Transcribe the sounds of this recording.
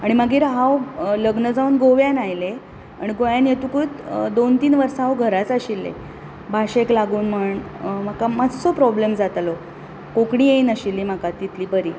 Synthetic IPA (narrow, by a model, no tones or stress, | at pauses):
aɽ̃imaɡiːɾɦawləɡnəd͡zauːnɡoʋjãnajle | a̰ɽ̃iɡoʋjãnjet̪ukut̪d̪ont̪iːnʋəɾsaɦawɡʱəɾat͡saɕilːḛ | bʱaɕeklaɡuːnm̤əɳm̤akamad͡zt͡sopɾɔblemd͡zat̪lo | kokɽiːjeinəɕilːiːm̤akat̪it̪ʰliːbəɾiː